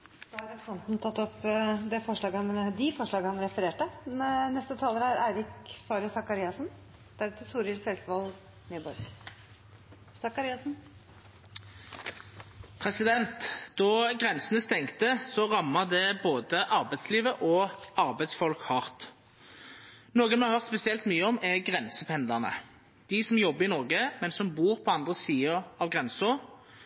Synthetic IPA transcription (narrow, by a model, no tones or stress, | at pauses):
d̪ɑæɾɑfɔnt̪nt̪ʰɑt̪ːɔpd̪ɛfɔʂɭɑːɡəhɑnd̪ɪfɔʂɭɑːɡəhɑnɾɛfəɾeːʈənɛst̪ət̪ʰɑːləɾæɾæɪɾɪkfɑːɾəsɑkɑɾiːɑsn | d̪̥æɾʉt̪ʰəsuːɾɪsɛlsʋɑlɡ | nyːbɔɾɡ | sɑkɑɾiːɑsn̩ | pʰʁɛsɪd̪ɛnt̪d̪̥ɔɡʁɛnsənəst̪ɛŋkt̪əsɔʁɑmːəʁd̪ɛboːd̪əʔɑʁbæɪd̪sliːʋəʔɔɑʁbæɪd̪sfɔlkhɑʁt̪ | noːɡənmhɑʁhœʁt̪spɛsɪɛlt̪myːəɔmæɡʁɛnsəpʰɛnd̪lɑʁnə̰ | d̪̥ɪsɔmjɔbːəɪnɔʁɡəmɛnsɔmbuːʁpʰɔɑnd̪ʁəsiːəʁɑʋɡʁɛnsʊʁ